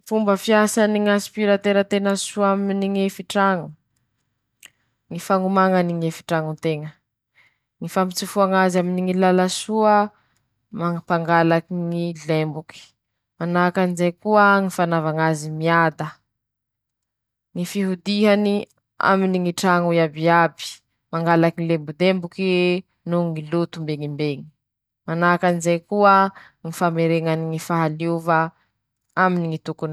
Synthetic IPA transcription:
fumbəfiasaniŋaspiɾat̪eɾət̪enəsuaminiŋefiʈ͡ʂaŋu | ŋifaŋumaŋaniŋefi̥ʈ͡ʂaŋut̪eŋə | ŋifamit͡sifuaŋazaminiŋilalasuə | maŋapaŋɡalakiŋilembuki̥ | manakanizejkuəŋifanavaŋazimiad̪ə | ŋifiɦud̪iɦani | a̰miniŋiʈ͡ʂaŋuiabiabi̥ | maŋɡalakiŋilembud̪embuki | nuŋilut̪umbeŋimbeŋi̥ | manakanizejkuə | ŋifameɾeŋaniŋifaɦaliva | aminiŋit̪ukun

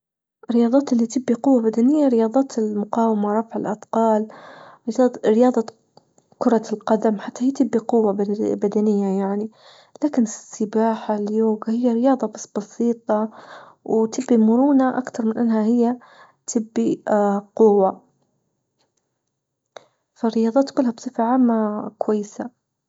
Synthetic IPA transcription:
ʔɾːɪjɑːd̪ˤɑːt̪ʔɪlːit̪ɪbːiqʊwːabad̪anɪjːaɾɪjɑːd̪ˤɑːt̪ɪlmʊqɑːwɪmaɾˤɑfʕɪlʔɑd̪qɑːl | ɾɪjɑːd̪ˤɑ | kʊɾˤɑlqɑd̪amħat̪ːahiːt̪ɪbːiqʊwːabbad̪anɪjːajaʕni | laːkɪnɪsːɪbaːħaljoːɡahɪjːaɾɪjɑːðˤɑbasbɑsˤiːt̪ˤɑ | wt̪ɪbːimʊɾuːnaʔakt̪ɑɾˤmɪnʔɪnːɦahɪjːa | t̪ʰɪbːiqʊwːa | faɾɪjɑːðˤɑːt̪kʊlːhabsˤɨfɪlʕaːmːakwajːɪsa

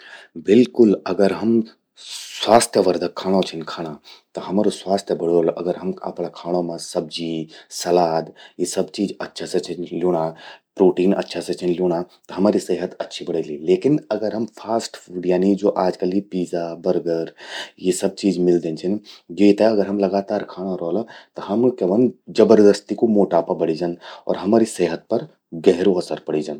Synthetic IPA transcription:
bɪlkʊlɐɡəɾɦɐm | sʋaːst̪ʰjəʋɐɾd̪ʱəkʰaːɽ̃ot͡ʃʰinkʰaːɽ̃at̪ɐɦɐmaːɾoswaːst̪ʰjəbɐɽjolʔɐ̰ɡəɾɦɐmɐ̰pɽakʰaːɽ̃õmãsɐb̚d͡ʒisɐlaːd̪jisɐbt͡ʃiːd͡ʒɐtːʃʰasɐt͡ʃʰinljoːɽ̃apɾoːʈiːnɐ̰tːʃʰaset͡ʃʰinljoːɽ̃at̪ɐɦɐmaːɾiseɦət̪ɐtːʃʰibɐɽeːlileːkɪnɐɡəɾɦɐmpʰaːsʈːɖjaːnid͡ʒoːʔaːd͡ʒkəlipiːzabɐɾɡəɾjesɐb̚t͡ʃiːd͡ʒmɪld̪ẽːnt͡ʃʰinjeːt̪eɐɡəɾɦɐmlɐɡaːt̪aːɾkʰaːñaɾɔːlat̪ɐɦɐmkeʋənd͡ʒɐbəɾd̪əst̪ikomoːʈaːpabɐɽid͡ʒaːnɔ̰ːɾɦɐmaːɾiseːɦət̪̚pɐɾ | ɡɛɦɾoɐsəɾpɐɽ̤id͡ʒaːn

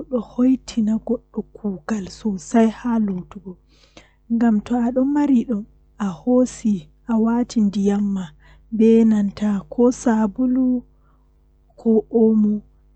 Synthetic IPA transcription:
ɗɔhojtʰinaɡɔɗːɔkʰuːɡalsɔsajhalotuɡɔ | ŋɡamtɔaɗɔnmaɾiɗɔm | ahosi | ʔawatʰindijamːa | bɛnantakʰɔsabulu | kʰɔʔomu

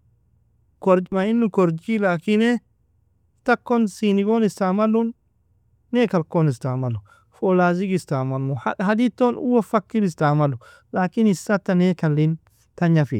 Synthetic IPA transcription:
koɾmainːukoɾd͡ʒilakine | takːonsiniɡonistamalːunː | ekalkonistamalːu | folaːziɡistamalːuahadit̪ːonṵwofakːinis̬tamalːu | laːkinisːat̪ːanekalːin | taɲafḭ

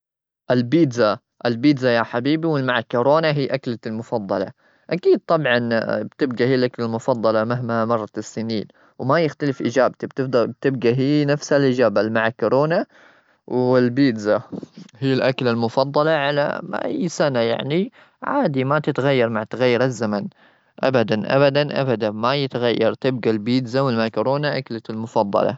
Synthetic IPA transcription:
ʔɪlbiːd̪za | ʔɪlbiːd̪zajaħabiːbiwɪlmaʕakːʊɾoːnaɦiːʔaklalmʊfɑd̪ˤːɑlɑ̰ | ʔakiːd̪̚t̪ˤɑbʕɑnbt̪ɪb̚ɡahiːlʔaklalmʊfɑd̪ˤːɑlɑmaɦmamɑrˤːɑsːɪniːn | wmajɪxt̪alɪfʔɪd͡ʒaːbt̪ibt̪ɪb̚t̪ɪb̚ɡaɦiːnafsalʔɪd͡ʒaːbalmaʕakʊɾoːna | wɪlbiːd̪zahiːlʔakalalmʊfɑd̪ˤːɑlɑʕala̰ʔa̰jːsanaja̰ʕni | ʕaːd̪imat̪ɪt̪ɣajːɑɾˤmaʕt̪aɣajːɑɾˤazːaman | ʔa̰bad̪anʔa̰bad̪anʔa̰bad̪amajɪt̪ɣajːɑɾˤt̪ɪb̚ɡalbiːd̪zawɪlmaʕkʊɾoːnaʔaklalmʊfɑd̪ˤːɑ̰lɑ̰

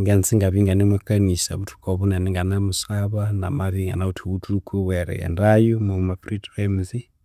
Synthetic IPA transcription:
ŋɡɛnt͡siŋɡaβiŋɡanimakanisa̰βutʰu̥kɔβunaniŋɡanamusaβana̰maβiŋɡa̰nautʰuwutʰukʰuwɛɾɛ̰jɛ̰ndajumomapritemzi

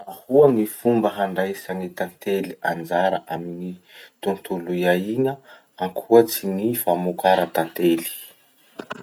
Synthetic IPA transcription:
ahuanifumbəɦaɳɖ͡ʐajsaŋit̪ant̪eliand͡zaɾaʔaminit̪unt̪ulujaiŋə | aŋkʰuət͡sinifamukaɾat̪ant̪eli̥

